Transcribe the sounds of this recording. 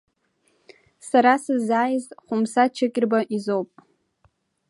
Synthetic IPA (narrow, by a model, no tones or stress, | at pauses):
saɾasɨzaːjzʼχʷʊmsat͡ʃʰakʲʼɪrbaʔizowpʼ